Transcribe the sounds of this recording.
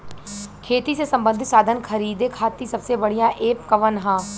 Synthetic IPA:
kʰeːt̪isesɐ̃mbə̃nd̪ʱɪsaːd̪ʱənkʰɐɾiːd̪ekʰaːt̪isɐbsebɐɽijãʔeːpkɐʋənɦãː

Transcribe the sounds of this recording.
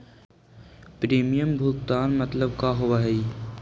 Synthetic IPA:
pɾeːmijəmbʱʊkt̪aːnmət̪ləb̚kaːɦoʋaːɦɛi

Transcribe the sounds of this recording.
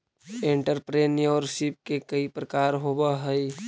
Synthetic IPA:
ẽɳʈəɾpɾeːnjɔɾʃip̚kekəipɾəkaːɾɦoːbaɦəi

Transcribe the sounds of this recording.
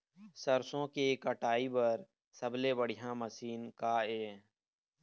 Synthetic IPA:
səɾsõkekəʈaːibəɾ | səblebəɽɪjãməsiːnkaːeː

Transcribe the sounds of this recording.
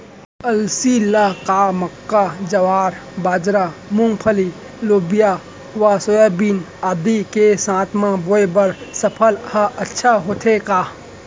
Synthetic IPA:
əlsilakaːməkːad͡ʒɐʋaːɾbaːd͡ʒɾamʊ̃ŋɡpʰəli | loːbija | ʋasojabiːnaːd̪ikesãːt̪ʰmãboebɐɾsəpʰəlhɐɐtːʃʰaɦoːt̪ʰekaː

